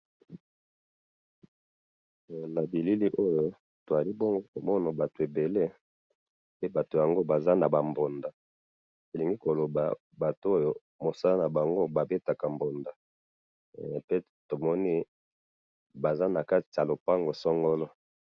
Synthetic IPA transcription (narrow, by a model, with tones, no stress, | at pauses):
na˨bi˨li˦li˦ʔo˦jo˨ | to˨a˨li˦bɔ˦ŋɡo˦ko˨mɔ˦na˨ba˨to˨e˨be˨le˦ | pe˦ba˨to˨ja˨ŋɡo˦ba˨za˦na˨ba˨mbo˨nda˨ | o˨li˨ŋɡi˦ko˨lo˨ba̰˨ | ba˨to˨˦o˦jo˦ | mo˨sa˦la˦na˨ba˨ŋɡo˦ba˨be˦ta˨ka˨mbo˨nda˨ | pe˦ | to˨mɔ˦ni˦ | ba˨za˦na˨ka˦ti̥˨a˨lo˨pa˦ŋɡo˨sɔ˦ŋɡɔ˦lɔ˦